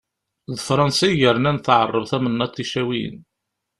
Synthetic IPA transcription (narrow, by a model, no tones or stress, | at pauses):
ðfɾˤɑnsiʝəɾnænθʕərˤːəvθæmənːɑt̪ːiʃæwiə̰n